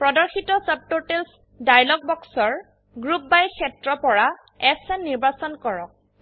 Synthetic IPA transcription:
pɹɔdɔɹxitɔsəb̚totels | dajlɔɡ̚bɔksɔɹ | ɡɹup̚bajkʰɛtɹɔpɔɹa | ɛsɛnːiɹbasɔnkɔɹɔk̚

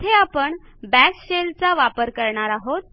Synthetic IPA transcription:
t̪ʰeapəɳ | bæsɕelt͡saʋapəɾkəɾɳaɾaɦot̪̚

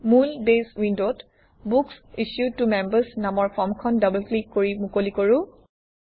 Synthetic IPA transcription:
mulbeswindot | buksiʃjutumɛmbəsnamɔɹpʰɔmkʰɔndʌblklikːoɹimukolikoɹʊ̃

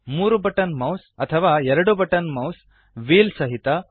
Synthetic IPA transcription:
muːɾubɐʈɐnmɐwsɐt̪ʰɐʋaːɛɾɐɽubɐʈɐnmɐws | ʋiːlsɐɦit̪ɐ

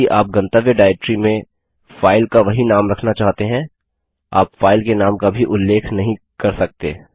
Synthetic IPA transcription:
iʔaːp̚ɡɐ̃nt̪əʋjəɖaːɪʈɾimẽ | faːɪlkaʋɐɦinaːmɾɐkʰnat͡ʃaːɦt̪eɦɛ̃ | a̰ːpfaːɪlkenaːmkabʱiʔʊlːeːkʰnɐɦĩkɐɾsɐk̚t̪eː

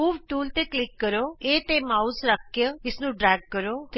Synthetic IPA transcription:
uːʋʈuːlt̪eːklɪkːəɾoːeːt̪eːmaːusɾək̚ʰːjə̃ɪsnũːɖɾɛːɡ̚kəɾoː

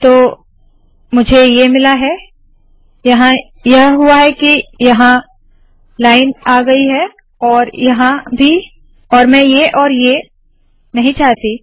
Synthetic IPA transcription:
t̪oː | mʊd͡ʒʱejemɪlaɦɛ | jɐɦã | jɐɦɦʊaɦɛkijɐɦã | laːɪnaːɡɐiɦɛ | ɔːɾjɐɦãbʱi | ɔːɾmɛ̃jeʔɔːɾje | nɐɦĩt͡ʃaːɦt̪i

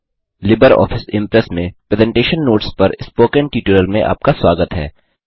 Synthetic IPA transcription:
lɪbəɾɔ̰ːfɪsɪ̃mpɾɛsmẽpɾeːzɛ̃ɳʈeːʃənːoːʈspɐɾɪspoːkɛ̃ɳʈiːʈuːləlmẽʔa̰ːp̚kaswaːɡət̪ɦɛ̰ː

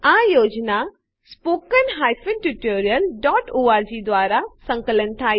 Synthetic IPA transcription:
ãːjoːd͡ʒna | spoːkənɦaːjfʰɪnʈuʈoːɾijəlɖɔːʈuːaːɾd͡ʒid̪ʋaːɾasə̃ŋkələnt̪ʰaː

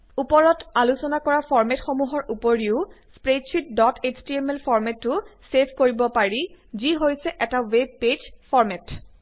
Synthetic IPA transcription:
upɔɹɔtalusɔnakɔɹafʰɔɹmɛtxɔmuɦɔɹʔupɔɹiʊspɹetsʰit̚dɔtʰet͡ʃtiemɛlpʰɔɹmɛtːʊsepʰkoɹibɔpaɹiziɦojsɛʔɛtaweb̚ːed͡ʒfʰɔɹmɛt

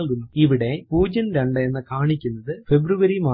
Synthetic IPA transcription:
lɣunːɐiʋiɽepuːd͡ʑɐnɾɐɳɖɐenːɐkaːɳikʲːunːɐðɨfebɾuʋɐɾimaː

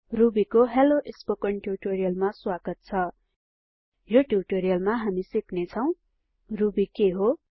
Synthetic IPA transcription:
rubikoɦeloʔespokʌɳʈjuʈoɾijʌlmaswaɡʌt̪̚t͡sʰʌ | joʈuʈoɾijʌlmaɦamisiknet͡sʰʌw̃ | rubikeɦo

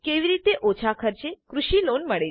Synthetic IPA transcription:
keʋiɾit̪eʔot͡ʃʰakʰəɾt͡ʃekɾuʃilonməɭe

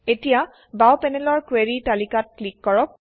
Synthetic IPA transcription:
etija | bawpɛnɛlɔɹkweɹitalikat̚klikːɔɹɔk̚

